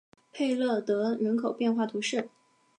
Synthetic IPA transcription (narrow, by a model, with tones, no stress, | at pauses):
pʰe˥˧ɪlɤ˥˩t̪ɤ˧˥ɻə˧˥nkʰo˨˩ʊpjɛ˥˧nxwa˥˩t̪ʰu˧˥ʂɻ̩˥˩